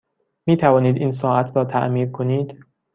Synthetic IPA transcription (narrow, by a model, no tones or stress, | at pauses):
miːt̪ʰævɒːniːd̪iːns̬ɒːʔæt̪ʰɾɒːt̪ʰæ̰ʔmiːɾkʰoniːd̪̥